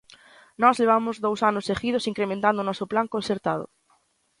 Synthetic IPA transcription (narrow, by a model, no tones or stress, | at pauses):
nɔzleβ̞amʊzðowsanʊsexiðʊsiŋkɾemẽnt̪and̪ʊnɔsʊplaŋkõnθeɾt̪að̞ʊ̰